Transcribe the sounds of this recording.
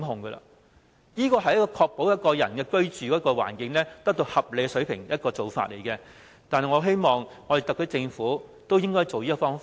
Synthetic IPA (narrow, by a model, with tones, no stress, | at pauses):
ɦʊ˨ŋɡɐ˧a̰ː˧ | jiː˥kɔː˧ɦɐ˨jɐ˥kɔː˧kʰɔː˧k̚po˨˥wjɐ˥t̚kɔː˧jɐ˨˩nkɛː˧kɵ˥ɥt͡ʃyː˨kɔː˨˥kɔː˧wa̰ː˨˩nkɪ˨˥ŋlɛː˥t̪ɐ˥k̚t̪o˧whɐ˨p̚le˨jkɛ˧sɵ˨˥ɥpʰɪ˨˩ŋjɐ˥t̚kɔː˧t͡so˨wfa̰ː˧t̚le˨˩jkɛ˧ | t̪aː˨nhɐ˨jŋɔː˨˧ɦe˥jmɔː˨˩ŋːɔ˨˧d̪e˨˩t̪k̪̚ʰːt͡sɪ˧ŋfuː˨˥t̪o˥wjɪ˥ŋkɔː˥jt͡so˨wjiː˥kɔ˧fɔː˥ŋf